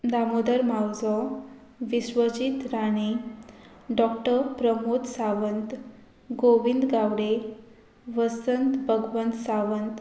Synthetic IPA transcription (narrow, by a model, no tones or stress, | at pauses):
d̪amod̪əɾmawd͡zɔ | ʋiɕʋəd͡ʑit̪ɾane | ɖɔkʈəɾpɾəmot̪saʋənt̪ | ɡoʋind̪ɡaʋɽe | ʋəsənt̪bʱəɡʋənt̪saʋənt̪